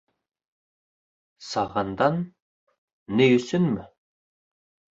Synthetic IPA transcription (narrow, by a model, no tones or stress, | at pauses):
sɑʁɑnd̪ɑn | ɪjɵ̆sɘnmɘ